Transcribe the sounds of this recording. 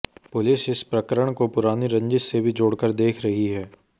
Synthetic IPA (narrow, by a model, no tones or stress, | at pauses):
pʊlɪsɪspɾɐkəɾəɽ̃kopʊɾaːniɾɐ̃ɲd͡ʒɪt̪sebʱid͡ʒoːɽkəɾd̪eːkʰɾɐɦiɦɛː